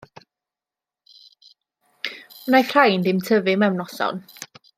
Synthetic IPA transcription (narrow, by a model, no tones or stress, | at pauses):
mənajθr̥ajndɪmtʰəvɨmɛwnɔsɔ̰n